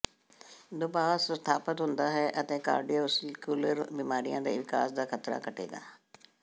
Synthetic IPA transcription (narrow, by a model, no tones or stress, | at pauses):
d̪ʊbaːsst̪ʰaːpət̪ɦʊnd̪aːɦɛːʔət̪ẽːka̰ːɾɖijoːsɪkuːləɾbiːmaːɾijãːd̪ḛːʋɪka̰ːsd̪aːkʰət̪ɾa̰ːkʰəʈḛːɡa̰ː